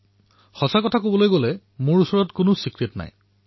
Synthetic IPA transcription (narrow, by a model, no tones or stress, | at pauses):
xɔsakɔtʰakobɔlojɡolɛ | mʊɹusɔɹɔtkʊnʊsikɹetna̰j